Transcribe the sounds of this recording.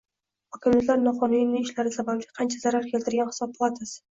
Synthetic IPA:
hɒkʲʰɪmjat̪laɾnɒχɒnɪjɪnɪŋɪʃlaɾɪsabablɪqʰɑnt͡ʃʰazaɾaɾkʲʰe̞lt̪ʰɪɾɡʲanhɪ̥sɒbp̚ːlˠat̪ʰɪz

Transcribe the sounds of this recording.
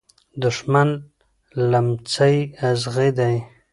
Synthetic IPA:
d̪ʊʂman | lamt͡sajazɣid̪aj

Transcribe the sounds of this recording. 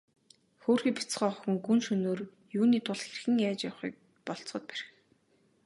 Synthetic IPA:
xoːrxiːpi̥t͡sχœːχɔxɵ̆ŋɡunʃɵnoːr | juːniːt̪ʰʊɮxerxɘ̆ŋjaːt͡ɕjawχḭːk̚ | pɔɮt͡sχɞ̆t̪̚pæɾɘ̆x

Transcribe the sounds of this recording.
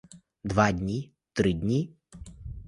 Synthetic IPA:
d̪ʋadʲnʲi | t̪ɾɪdʲnʲi

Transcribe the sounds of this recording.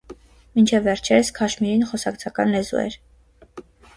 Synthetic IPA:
mint͡ʃʰɛvːɛɾt͡ʃʰɛɾəskʰɑʃmiɾinχɔsɑkt͡sʰɑkɑnlɛzṵɛ̰ɾ

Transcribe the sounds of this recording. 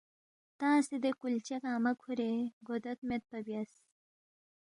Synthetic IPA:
t̪ãːsid̪ekult͡ɕekaːmɐkʰuɾeɡod̪ɐt̪met̪̚pɐbjas

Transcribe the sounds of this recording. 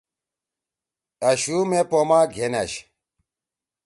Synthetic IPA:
ɐɕumepomaɡʱenɐɕ

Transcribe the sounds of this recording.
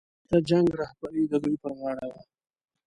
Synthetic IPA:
t̪ad͡ʒaŋɡɾɑhbaɾid̪əd̪ujpəɾɣɑɽawa

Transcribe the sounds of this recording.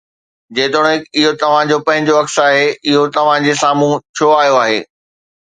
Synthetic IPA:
d͡ʑeːt̪oɽ̃õɪkɪɦot̪ɐʋ̤ãd͡ʑopɐ̃ɦɪ̃ɲd͡ʑoɐksaːɦeɪɦot̪ɐʋ̤ãd͡ʑesaːmũt͡ɕʰoaːɦijoaːɦḛː

